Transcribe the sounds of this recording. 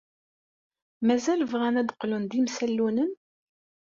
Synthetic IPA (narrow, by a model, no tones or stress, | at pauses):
mæzælvʁænæd̪əqlund̪imsælːunən